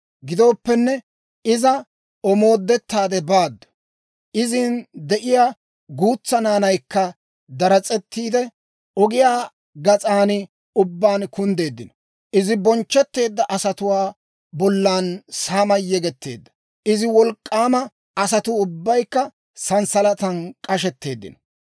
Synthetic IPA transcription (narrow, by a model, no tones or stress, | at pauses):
ɡɪd̪o̞ːpːɛnːɛ | ɪzɐ | ɔmo̞ːd̪ːɛt̪ːaːd̪ɛbaːd̪ːɔ̥ | ʔɪzɪnd̪ɛʔɪjaː | ɡuːt͡sːɐnaːnɐjkːɐ | d̪ɐɾɐt͡sʼɛt̪ːiːd̪ɛ | ʔɔɡɪjaː | ɡɐt͡sʼaːnɪ | ʊbːaːnkʊnd̪e̞ːd̪ːɪnɔ | ʔɪzɪbɔnt͡ʃːɛt̪ːe̞ːd̪ːɐʔɐsɐt̪ʊwaː | bɔlːaːnsaːmɐjːɛɡɛt̪ːe̞̰ːd̪ːɐ̥ | ʔɪzɪwɔlkʼːaːmɐ | ɐs̬ɐt̪ʊʊbːɐjkːɐ | sɐnsɐlɐt̪ɐnkʼɐʃɛt̪ːe̞ːd̪ːɪ̰nɔ̥